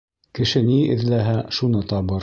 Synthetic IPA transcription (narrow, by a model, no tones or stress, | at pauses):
kɘ̆ʃɘniɘ̆ðlæɦæʃunɤt̪ɒβɤɾ